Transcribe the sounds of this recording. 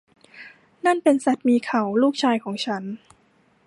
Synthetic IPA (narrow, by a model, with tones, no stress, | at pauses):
na˥˩npe˧nsa˨˩t̪̚miː˧kʰa˨˩˦wluː˥˩k̚t͡ɕʰaː˧jkʰɔː˩˦ŋt͡ɕʰa˦˥n